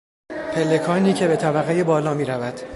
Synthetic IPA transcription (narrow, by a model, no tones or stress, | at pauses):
pʰe̞lːe̞kʰɒːniːcʰe̞be̞t̪ʰæbæɣejebɒːlɒːmiːɾævæd̪̥